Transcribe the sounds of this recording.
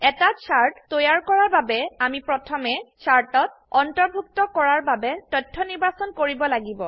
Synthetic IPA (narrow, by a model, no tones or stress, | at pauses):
ɛtasaɹttojaɹkɔɹaɹbabɛamipɹɔtʰɔmɛsaɹtɔt̚ɔntɔɹbʱuktɔkɔɹaɹbabɛtɔtʰːɔniɹbasɔnkoɹibɔlaɡibɔ